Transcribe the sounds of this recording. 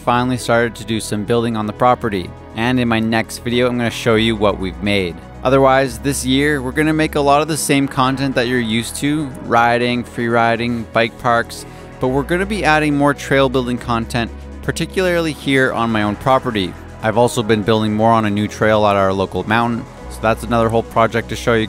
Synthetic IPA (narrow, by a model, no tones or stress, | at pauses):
fãɪ̃nl̩ˠistɑɹɾɨd̚tʰɨdɨsʌ̃mbɪlˠdɪ̃ŋə̃nðəpʰɹ̥ɑpə˞ɾḭ | ʔɨ̃nɨ̃nmaɪnɛkstvɪɾioʊãɪ̃mɡʌnɨʃoʊjɨwʌʔwivmeɪɾ | ʔʌðə˞waɪzðɪsjɪɹwɪɹɡʌñɨmeɪkəlɔɾʌvðɨsẽɪ̃mkʰɑ̃ntɛ̃nðɨt͡ʃə˞jʉstʰʉɹaɪɾɪ̃ŋfɹiɹaɪɾɪ̃ŋb̥aɪk̚pʰɑɹks | b̥ʌt̚wɪɹɡʌñɨbiæɾɪ̃ŋmɔɹtʰɹ̥eɪlˠbɪlˠdɪ̃ŋkʰɑ̃ntʰɛ̃n | pʰə˞tʰɪkjl̩ˠə˞lˠihiɹə̰̃nmaɪõʊ̃npʰɹ̥ɑpə˞ɾi | ʔaɪvɔlˠsoʊbɨ̃nbɪlˠdɪ̃ŋmɔɹə̃nɨnʉtʰɹ̥eɪlˠəɾaʊə˞loʊkl̩ˠəmãʊ̃ʔn̩ | soʊðætsənʌðə˞ɦoʊlˠpʰɹ̥ɑd͡ʒɛk̚tʰɨʃoʊjɨ